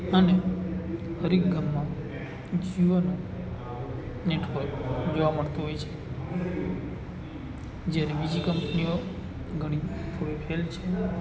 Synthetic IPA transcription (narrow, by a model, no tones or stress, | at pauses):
əne | həɾikɡʱəmːã | d͡ʒiʋəno | neʈʰod͡ʒoʋaməɭt̪oɦojt͡ʃʰe | d͡ʒjaɾebid͡ʒikəmpnio | ɡʱəɽ̃ipʰoipʰelt͡ʃʰe